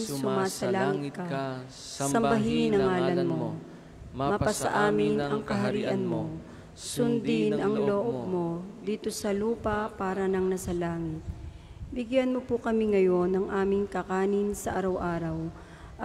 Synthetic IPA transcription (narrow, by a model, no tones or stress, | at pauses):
ŋssʊmaːsɐlaːŋɪkɐ | ssɐmbɐɦinɐŋːaːlɐnmo̞ | mɐpɐsɐʔaːmɪnɐŋkɐɦɐɾiːʔɐnmo̞ | sʊnd̪ɪnɐŋlo̞ːʔob̚mo̞d̪iːt̪o̞sɐluːpɐpaːɾɐnɐŋnɐsɐlaːŋɪt̪̚ | bɪɡjanmopʊkɐmiŋɐjo̞nɐŋʔaːmɪŋkɐkaːnɪnsɐʔaɾɐwʔaːɾɐw | ʔɐ